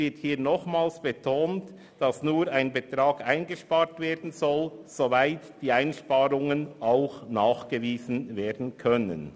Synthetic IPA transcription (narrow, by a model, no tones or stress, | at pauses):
ɪɐthiːnɔχmaːlsb̥etʰoːnt | d̥ɑsnuːɾaɪnbətɾaːɡaɪnɡəʃpaːɾtveːɐdn̩zɔlz̥ovaɪtd̥iːaɪnʃpaːɾʊŋənaʊxnaːχɡ̥əviːzn̩veːɐdn̩kʰœnə̰n